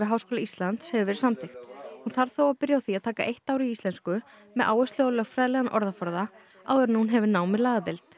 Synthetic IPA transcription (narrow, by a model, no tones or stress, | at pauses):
ɪɦawskoːlaist̪lant̪shɛvɪvɛːɾɪ̥ɾ̥samt̪ʰext̪hunθaɾ̥θowaðpɪɾjawθiaðt̪ʰaːkaʔejht̪aːwɾɪiist̪lɛnskʏ | mɛðʔa̰ːwɛst̪lɪɣalœɣfɾaːðlɛɣanʔɔɾðafɔɾða | a̰wðɛɾnunɦɛvɪnaːwmɪɾlaːðat̪ɪlt̪